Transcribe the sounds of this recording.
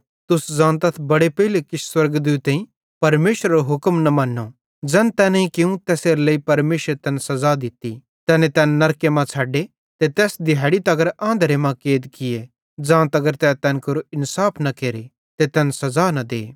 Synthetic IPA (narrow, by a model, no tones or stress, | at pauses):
t̪ʊszãːnt̪ɐt̪ʰbɐɽepɐɦilekɪswɐɾɡəd̪ut̪ːeːĩ | pɐɾmeːʃɾaɾoɦʊkmnɐmɐ̃nːo | d͡ʒɐnt̪ɛːnĩkɪũt̪ɛːseːɾleipɐɾmeːʃəɾt̪ɛːnsɐzad̪ɪt̪ːḭ | t̪ɛːnẽt̪ɛːnːɐɾkemãaːɖe | t̪et̪ɛːsd̪ɪɦaːɽit̪ɐɡəɾãːnd̪əɾemãkeːd̪kɪje | d͡zãːt̪ɐɡəɾt̪ɛːt̪ɛːnkɐɾoɪnsaːpʰnɐkeːɾe | t̪et̪ɛːnsɐzaːnɐd̪ḛː